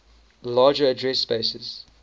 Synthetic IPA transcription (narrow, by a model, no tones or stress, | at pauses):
lɑːd͡ʒəːdɹɛsːpeɪsəz̥